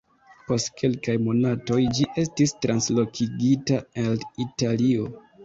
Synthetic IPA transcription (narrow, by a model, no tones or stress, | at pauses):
po̞stkʰe̞lkajmo̞nato̞jd͡ʒiʔe̞stistɾʔanslo̞kʰiɡitaelitalio̞